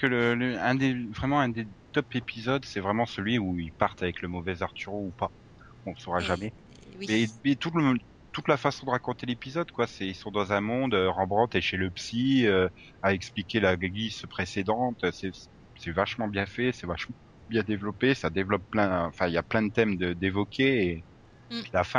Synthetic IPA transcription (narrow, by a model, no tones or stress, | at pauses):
kələləɛ̃d̪evʁɛmɑ̃ɛ̃d̪et̪ɔpepizɔd̪sɛvʁɛmɑ̃səlɥiuilpaʁt̪avɛkləmɔvɛzaʁt̪yʁoupa | ɔ̃ləsoʁaʒamɛ | mɛet̪ul | t̪ut̪lafasɔ̃d̪əʁakɔ̃t̪elepizɔd̪kwasɛilsɔ̃d̪ɑ̃zɛ̃mɔ̃d̪øʁɑ̃bʁɑ̃t̪eʃeləpsiø | aɛksplikʲelaɡeɡlispχesed̪ɑ̃t̪øsɛs | sɛvaʃmɑ̃bjɛ̃fɛsɛvaʃmɑ̃ | bjɛ̃d̪evlɔpesad̪evlɔpːlɛ̃ɑ̃fɛ̃iljaplɛ̃d̪ət̪ɛmd̪əd̪evɔkʰʲeː | pɥilafɛ̃